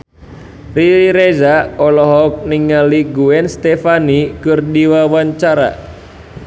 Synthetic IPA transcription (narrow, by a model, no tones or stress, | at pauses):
riɾezaɔlɔɦɔk̚niŋaliɡuɛnst̪efanikɨrdiwawaɲt͡ʃaɾa̰